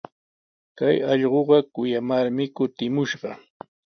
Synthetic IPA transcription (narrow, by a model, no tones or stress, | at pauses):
kajɑʎɢoɢɑkʊjamaɾmɪkʊt̪ɪmʊʃɢɑ